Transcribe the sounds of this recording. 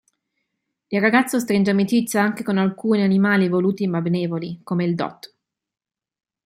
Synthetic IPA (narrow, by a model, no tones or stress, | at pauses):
ilrːaɡat̪sːos̬t̪ɾind͡ʒamit͡ʃit̪sːjaaŋk̟ekonalkuːnianimaːlivoluːt̪imabeneːvolikomeild̪ɔ̰t̪ː